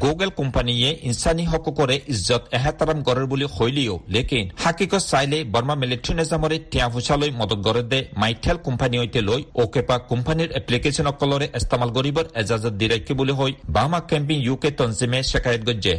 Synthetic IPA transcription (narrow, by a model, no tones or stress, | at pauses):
ɡoɡelkɔmpanijeinsaniɦɔkɔkɔɾeʔizɔt̪ɛɦat̪aɾamkɔɾɔɾbulihojlijolekinhakikɔsajlebɔɾmamɛleʈʰunɛzamɔɾetijãpʰusalojmɔd̪ɔt̪̚ɡɔɾɔd̪ɛmajʈʰelkɔmpaniɔjt̪elojokepakɔmpaniɾɛplikesɔnɔkːɔlɔɾeʔɛst̪amalɡɔɾibɔɾɛzazɔt̪̚d̪iɾajkʰːibuliɦojbamakɛmpiŋjuket̪ɔnzimeʃɛkʰajɔt̪̚ɡɔd͡ʒe